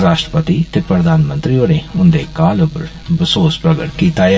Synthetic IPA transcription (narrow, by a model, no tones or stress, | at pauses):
ɾaːʃʈɾəpət̪iːt̪eːpɾəd̪aːnmənt̪ɾioːɾeːʊnd̪eːkaːlopəɾ | bɪsoːspɾəɡəʈkiːt̪aːe